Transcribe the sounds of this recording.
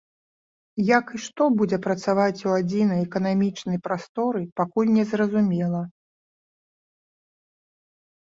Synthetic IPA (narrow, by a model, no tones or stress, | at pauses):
jakɨʂt̪ɔbud͡zʲɛpɾɐt̪savat͡sʲuad͡zʲin̪ɐjɛkɐnamʲit͡ʂnɐjpɾast̪ɔɾɨpakulʲnʲɛzrɐzumʲɛlˠɐ